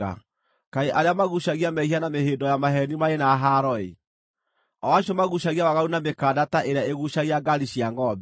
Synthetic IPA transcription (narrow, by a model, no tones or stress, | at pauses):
a̰ | kaeʔaɾeamaɣuɕaɣiamɛhianameheːndɔjamaɦɛnimaenaɦaɾɔḛ | ɔwaɕjɔmaɣuɕaɣiawaɣaɾunamekaːdataʔeɾeaeɣuɕaɣiaɡaɾiɕiaŋɡɔbɛ